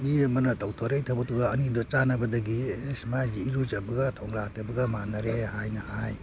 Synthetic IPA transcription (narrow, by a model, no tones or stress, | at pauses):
bimɐnɐtʰawtʰɔɾejtʰabɔtuɡaːnidɔt͡ʃanɐbɐdɐɡiesmad͡ʒiːɾud͡ʒabɐɡatʰɔŋɾatabɐɡamanaɾehajnɐhaj